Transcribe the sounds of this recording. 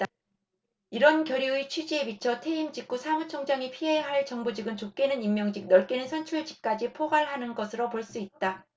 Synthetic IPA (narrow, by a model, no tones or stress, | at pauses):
t͈a | iɾʌnkjʌɾiit͡ɕʰid͡ʑiebit͡ɕʰʌtʰe̞imd͡ʑik͈usʰamut͡ɕʰʌŋd͡ʑaŋipʰiɦe̞ɦaɭt͡ɕʌŋbod͡ʑiɡɯnt͡ɕok͈e̞nɯnimːjʌŋd͡ʑik̚nʌɭk͈e̞nɯnsʰʌnt͡ɕʰuɭd͡ʑi̥k̚k͈ad͡ʑipʰoɡaɭɦanɯnɡʌsʰɯɾopoɭs͈uit̚t͈a